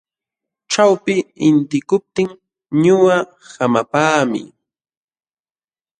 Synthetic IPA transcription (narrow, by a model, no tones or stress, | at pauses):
ʈ͡ʂawpɪɪnt̪ɪkʊp̚t̪ɪŋ | ɲʊwa | samapaːmɪ̰